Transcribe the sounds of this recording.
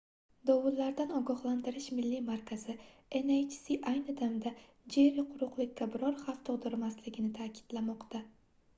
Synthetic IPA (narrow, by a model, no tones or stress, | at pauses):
d̪ɒwʊllaɾd̪anɒɡɒhlˠant̪ɪɾɪʃmɪlːimaɾkʰazɪe̞nejt͡ʃsiʔajnɪd̪amd̪a | d͡ʒe̞ɾɪqʰʊɾʊqlˠɪkʲʰːabɪɾɒɾχaft̪ʰʊʁd̪ɪɾmaslɪɡʲɪnɪt̪ʰakʲɪ̥d̪̥lamɒqt̪ʰa